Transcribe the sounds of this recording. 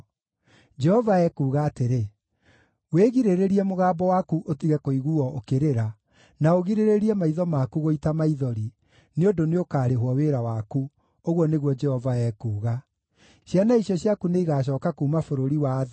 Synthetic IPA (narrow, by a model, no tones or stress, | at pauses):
d͡ʒɛhɔvaɛkuːɣaːteɾe | weɣiɾeɾeɾiɛmoɣaːbɔwakuʔotiɣɛkoiɣuɔokeɾeɾa | naoɣiɾeɾeɾiɛmaiðɔmakuɣoitamaiðɔɾi | neondoneokaːɾeɦwɔweɾawaku | oɣwɔneɣwɔd͡ʒɛhɔvaɛkuːɣa | ɕjanaiɕjɔɕjakuneiɣaɕ̬ɔːkakuːmafoɾoɾiwað